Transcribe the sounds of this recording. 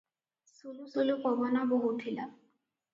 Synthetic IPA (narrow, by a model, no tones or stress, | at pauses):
sulusolukɔbɔnaboɦutʰila